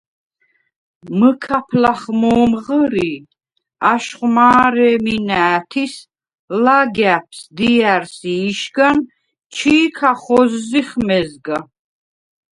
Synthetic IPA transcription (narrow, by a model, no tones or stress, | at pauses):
məkʰapʰlaχmɔːmʁəɾi | aʃχmaːɾɛːminæːt̪ʰis | laɡæpʰsd̪iæɾsiːʃɡan | t͡ʃʰiiːkʰaχɔzːiχmɛzɡa